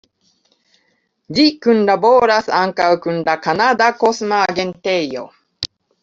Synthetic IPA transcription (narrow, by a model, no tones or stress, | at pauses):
d͡ʑikɯ̟̃nɖaboːɾasɨãŋkaɯkɯ̟̃nɖakanad̪akosɨmaɡẽnt̪ejo̰